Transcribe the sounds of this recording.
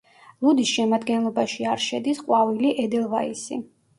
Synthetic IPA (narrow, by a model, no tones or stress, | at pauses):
lˠud̪isʃɛmad̪ɡɛnlˠɔbaʃiaɾʃɛd̪isqʼwaviliʔɛd̪ɛlˠvaisḭ